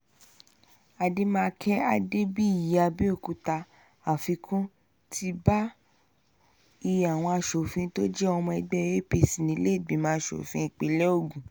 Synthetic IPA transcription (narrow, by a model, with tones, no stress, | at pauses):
a˧de˦mãː˦˧kʰɛ˦a˦de˦bi˦˨ja˧bi˦o˦˨ku˨ta˧ | a˨fi˧kʰũ˦ | tʰi˦ba˦ | i˧˨a˨w̃ɔ̃˧a˧ʃo˨fĩ˧˦to˦d͡ʒɛ˦ɔ˧mɔ̃˧ɛ˧ɡ͡bɛ˦˨je˦˨pi˧˨sĩ˨nĩ˨˧˦le˦i˦˨ɡ͡bĩ˨˦mãː˦ʃo̰˨fĩ˧˦i˧k͡pe˧˦lɛ˦o˦˨ɡũ˨